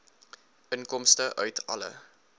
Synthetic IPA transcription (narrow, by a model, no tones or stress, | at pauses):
ənkɔmstəʔœɥtʰɐ̰lə̰